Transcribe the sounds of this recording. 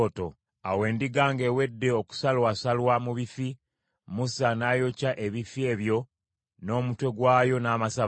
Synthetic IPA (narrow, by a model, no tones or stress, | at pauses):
to̞ | awe̞ːndiɡaːŋɡe̞we̞dːe̞oku̥salwasalwamuβifi | musanaːjo̞caʔe̞βifie̞ːβjo̞ | no̞ːmutwe̞ɡwaːjo̞naːmasa